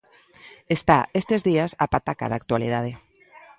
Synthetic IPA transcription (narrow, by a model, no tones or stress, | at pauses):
est̪a̰est̪ezðiasapat̪aka̰ðak̚t̪walḭðað̞e